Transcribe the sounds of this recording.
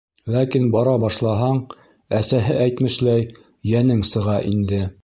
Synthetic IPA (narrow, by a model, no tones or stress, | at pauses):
lækinbɑɾɑbɑʃlˠɑɦɑɴ | æsæɦɘʔæjt̪mɘ̆ʃlæj | jænɘŋsɤ̆ʁɑʔind̪ɘ